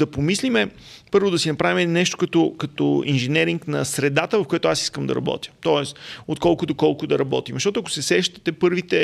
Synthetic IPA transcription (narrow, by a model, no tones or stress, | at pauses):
d̪ɐpomislimɛ | pɤɾvod̪ɐsinɐpɾavimɛnɛʃt̪o̥kɐt̪ɔkɐt̪ɔ̰inʒɛnɛɾiŋknɐsɾɛd̪at̪əvɐfkojat̪ʊasi̥skəmd̪ɐ̰ɾɐ̰bɔ̰t̪jə̥t̪ɔɛst̪ot̪̚kɔlˠkʊd̪okɔlˠkʊd̪ɐɾɐbɔ̰t̪imzɐʃt̪ɔt̪ʊɐkʊ̥sɛsɛʃt̪ɛ̥t̪ɛpɤɾvit̪ɛ